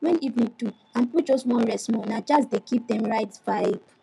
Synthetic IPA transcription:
wɛ̃nivnĩtu | ãnpit͡ʃoswɔ̃nɹɛsmɔnad͡ʒasdekip̚dɛ̃mɹaɪtfaip

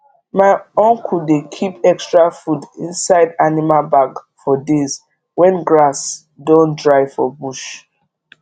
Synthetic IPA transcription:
maɪɔ̃ŋkʰuldekʰipɛkstɹafudĩnsaɪdanimalbaɡfɔdez | wɛ̃nɡɹas | dɔ̃ntdɹaɪfɔ̰buʃ

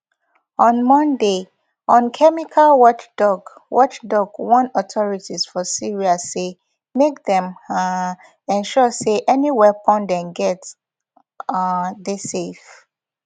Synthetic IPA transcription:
ɔ̃nmɔ̃nde | ɔ̃nkʰɛmikʰalwɔt͡ʃdɔɡwʔɔt͡ʃdɔɡwɔ̃nɔtʰɔɹitisfɔsiɹiase | mekdɛ̃m | ɛ̃nʃɔseʔɛniwɛpɔ̃ndɛ̃nɡɛt | desef

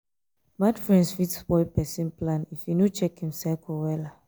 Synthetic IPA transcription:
madfɹɛ̃ndsfitsbɔɪpɛsĩnplãnifinot͡ʃɛkhĩmsɛlkɔwɛla

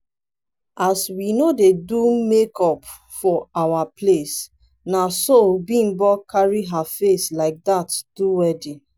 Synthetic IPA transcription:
ʔaswinodedumekɔp | fɔawaples | nasobĩmbɔkʰaɹiɦafeslaɪk̚datd̥uwɛdi

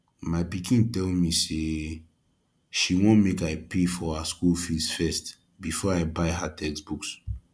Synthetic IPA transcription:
maɪpikʰĩntɛlmise | ʃiwõnmekaɪpefɔhaskulfisfɛst | bifɔaɪbaɪɦatʰɛksbuks

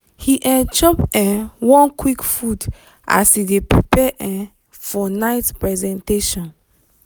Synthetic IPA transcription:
hiʔɛ̃nt͡ʃɔpɛ̃wɔ̃nkwikfud | ʔa̰shidepɹipɛʔɛ̃ | fɔnaɪtpɹɛzɛ̃nteʃɔ̃n

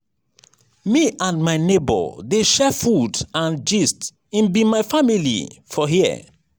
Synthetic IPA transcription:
miʔãnmaɪnebɔ̰deʃɛfudãnd͡ʒist | ĩnbimaɪfamilḭfɔɦḭ

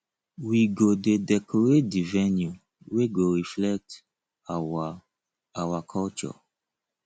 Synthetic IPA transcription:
wiɡodedɛkʰɔɹet̚divɛnju | weɡoɹiflɛk̚t | awakʰɔlt͡ʃɔ̰

